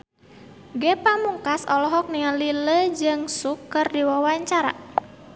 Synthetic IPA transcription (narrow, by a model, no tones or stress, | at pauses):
ɡɛpamuŋkasɔlɔɦɔk̚niŋaliləd͡ʒɨŋsukːərdiwawaɲt͡ʃaɾa̰